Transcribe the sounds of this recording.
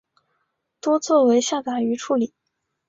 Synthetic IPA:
t̪wɔ˥t͡sʰwɔ˥˩we˧˥ɪɕja˥˩t̪a˨˩y˧˥ʈ͡ʂʰu˧˥li˨˩˦

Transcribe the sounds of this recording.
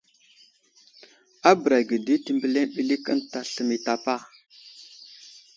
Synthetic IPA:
a˦bə˨ɾa˨ɡə˨di˦ti˨mbə˨le˦nɓi˦li˦kə˦nta˨ɬə˨mi˨ta˨pa˦˨

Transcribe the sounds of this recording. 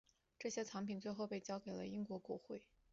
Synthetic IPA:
ʈ͡ʂɤ˥˩ɕjɛ˥t͡sʰɑ˧˥ŋpʰi˨˩nt͡swe˥˧ɪxo˥˧ʊpe˥˩ɪt͡ɕjɑ˥ʊke˨˩ɪlə̰˦i˥ŋkwɔ˧˥kwɔ˧˥xwe˥˩ɪ

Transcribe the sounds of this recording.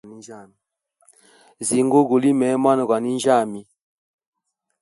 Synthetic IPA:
i˦d͡ʒa˦˨mi˨ | zi˨ŋɡo˦ɡu˨li˦mɛ˨˦ma˦nɔ˨ɡwa˨ni˦n˦d͡ʒa˦˨mi˨

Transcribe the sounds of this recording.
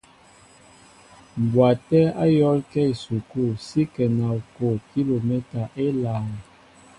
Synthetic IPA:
m˨bwa˨tɛ˦a˦jɔ˦lkɛ˦i˨su˨ku˦˨si˦kɛ˨na˨ko˦˨ki˦lo˨mɛ˦ta˨ʔe˦laː˨n˨

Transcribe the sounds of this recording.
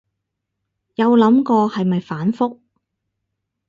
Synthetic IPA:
jɐ˨˧wlɐ˨˥mkɔː˧hɐ˨jmɐ˨jfaː˨˥nfʊ˥k̚

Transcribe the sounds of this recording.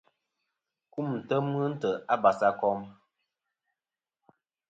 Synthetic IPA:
ku˦˨mn̩˨tə˦mə˦n̩˦tə˨a˦ba˨sa˦kɔ˦m

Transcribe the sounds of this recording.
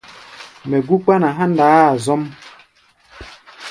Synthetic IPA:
me˨ɡu˦k͡pa˦na˨ɦa˦n˦da˨˦˨zɔ˦m

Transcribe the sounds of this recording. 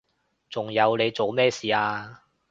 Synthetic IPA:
t͡sʊ˨ŋjɐ˨˧wne˨˧jt͡so˨wmɛː˥siː˨aː˧

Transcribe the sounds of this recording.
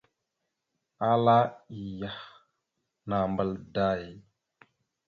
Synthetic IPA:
a˦la˦i˨ja˨h | na˨mbə˨lda˦ji˦

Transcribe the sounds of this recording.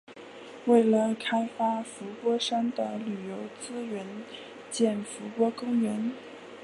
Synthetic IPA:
we˥˩ɪlə˩kʰa˥ɪfa˥fu˧˥pwɔ˥ʂa˥nd̪ə˨ly˨˩jo˧˥ʊt͡sɹ̩˥ɥɛ˧˥n | t͡ɕjɛ˥˩nfu˧˥pwɔ˥kʊ˥ŋɥɛ˧˥n

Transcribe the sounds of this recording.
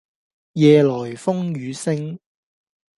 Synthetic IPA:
jɛː˨˧lɔː˨˩jfʊ˥ŋjyː˨˧sɪ˥ŋ

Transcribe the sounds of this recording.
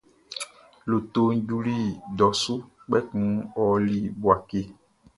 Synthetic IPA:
lo˨t̪o˨ŋ̩˦d͡ʒu˦li˦ɖɔ˨su˦ | k͡pɛ˦kũ˦wɔ˨li˦bu˨a˨ke˦˨

